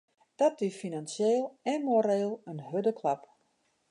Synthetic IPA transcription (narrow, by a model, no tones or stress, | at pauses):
d̥ɔt̚dyfinansjeːlˠɛmoɾeːlˠənɦødəkʰlap